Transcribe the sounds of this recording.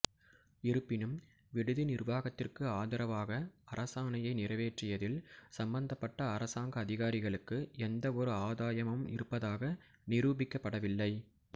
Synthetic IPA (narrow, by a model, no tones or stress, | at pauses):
ɪɾɯpːɪnɯm | ʋɪɽɯðɯnɪrʋaːɣɐt̪ːɪrkɯaːðɐɾɐʋaːɣɐɐɾɐsaːnɐjɐɪnɪrɐʋeːʈrɪjɐðɪlsɐmbɐnd̪ɐpːɐʈːɐːɾɐsaːŋɡɐːðɪɣaːɾɪɣɐɭɯkːɯɛnd̪ɐɔɾɯaːðaːjɐmɐmɪ̰ɾɯpːɐðaːɣɐ | nɪɾuːbɪkːɐpːɐɽɐʋɪlːɐɪ